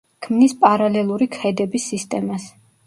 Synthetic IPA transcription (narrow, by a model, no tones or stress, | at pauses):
kʰmnispʼaɾalɛlˠuɾikʰɛd̪ɛbisːist̪ʼɛmas